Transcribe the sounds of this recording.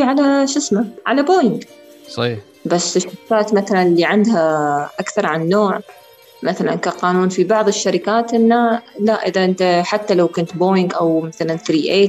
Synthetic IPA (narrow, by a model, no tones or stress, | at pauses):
iʕalaʃɪsmaʕalaboːjɪŋɡ | sɑ | basːɪʃːaɾɪkaːt̪maθalanliʕand̪ɦaʔakθɑɾˤʕanːoːʕ | maθala̰nkaqɑːnuːnfibɑʕðˤɪʃːaɾɪkaːt̪ʔɪnːalaʔɪðaʔɪnt̪aħat̪ːalawkʊnt̪boːjɪŋɡʔawmaθalanθɾiːʔeːt̪